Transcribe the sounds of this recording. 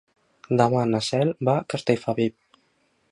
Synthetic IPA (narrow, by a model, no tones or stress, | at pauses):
d̪amanasɛlbakast̪ejfaβip̚